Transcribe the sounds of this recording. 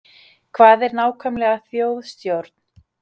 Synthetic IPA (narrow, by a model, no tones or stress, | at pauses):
kʰvaːðɛɾnaːwkʰœmlɛɣaθjoːwðst̪jowɾt̪n